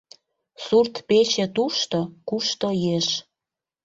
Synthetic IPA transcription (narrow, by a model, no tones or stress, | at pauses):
surt̪pet͡ɕĕt̪uʃt̪okuʃt̪ojeʃ